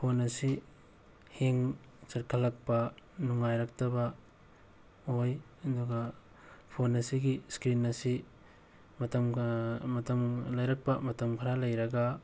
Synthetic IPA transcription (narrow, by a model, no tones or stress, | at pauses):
pʰonɐsi | heŋ | sɐɾkʰɐlɐk̚pɐnuŋːajɾɐk̚tɐbɐ | oj | ɐduɡɐ | pʰonɐsiɡiskɾinːɐsi | mɐtɐmmɐtɐmlɐjɾɐk̚pɐmɐtɐmkʰɐɾalɐjɾɐɡɐ